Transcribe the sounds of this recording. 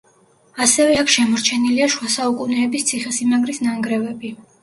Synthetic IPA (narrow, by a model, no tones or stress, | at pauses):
asɛvɛakʰʃɛmɔɾt͡ʃʰɛniliaʃuasaukʼunɛːbist̪sʰiχɛsimaɡɾisnaŋɡɾɛvɛbi